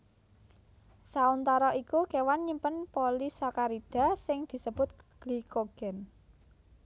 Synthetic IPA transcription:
saunt̪aɾɔʔikukewanɲəmpənpolisɔkaɾiɖ̥a̤sɪŋd̪̥i̤səb̥ʊ̤t̪̚ɡ̥likoɡ̥ɛ̤n

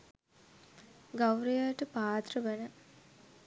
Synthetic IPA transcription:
ɡawɾejaʈəpaːt̪rəbænə

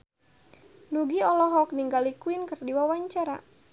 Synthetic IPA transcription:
nuɡiɔlɔɦɔk̚niŋɡalikuinkərdiwawaɲt͡ʃaɾa̰

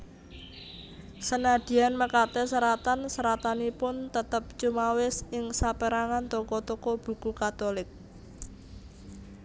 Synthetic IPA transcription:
sənad̪̥i̤anməkat̪ɛsəɾat̪ansəɾat̪anipʊnt̪ət̪əp̚t͡ʃumawɪsɪŋsapəɾaŋant̪ɔkɔt̪ɔkɔb̥ṳkukat̪olɪk̚

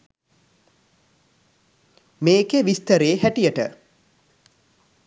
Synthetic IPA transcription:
meːkeʋist̪əɾeːɦæʈijəʈə̰

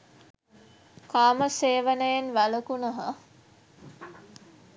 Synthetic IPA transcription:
kaːməseːʋənəjenʋæləkunəɦə̰

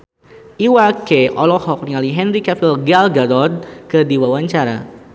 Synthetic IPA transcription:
ʔiwakeʔɔlɔhɔk̚niŋaliɦɛnrikafilɡalɡadɔd̪̚kɨdiwawaɲt͡ʃaɾa̰

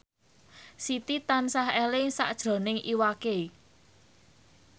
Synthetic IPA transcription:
sit̪it̪ansaɦelɪŋsa̰ʔd̥ʒ̥ɾɔ̤nɪŋʔiwake

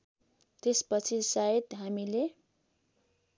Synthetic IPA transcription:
t̪espʌt͡sʰisait̪ɦamile

